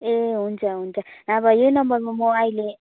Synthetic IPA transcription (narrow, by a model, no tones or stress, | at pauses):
eɦund͡ʒaɦund͡ʒanaβajenambalɔmɔailɛ